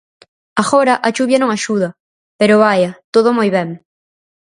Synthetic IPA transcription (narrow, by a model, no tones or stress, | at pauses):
aɣoɾɐʔat͡ʃuβjɐnõŋaʃuðɐ | peɾʊβajɐt̪oð̞omojβɛŋ